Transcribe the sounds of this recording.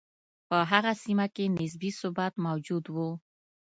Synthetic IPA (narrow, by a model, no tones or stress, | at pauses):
pəɦaɣasimakenɪs̬bisʊbat̪mawd͡ʒud̪wu